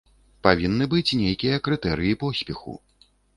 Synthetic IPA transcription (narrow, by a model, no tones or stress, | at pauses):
pavʲinːɨbɨt͡sʲnʲejkʲijɐkɾɨt̪ɛɾɨjipɔsʲpʲɛxṵ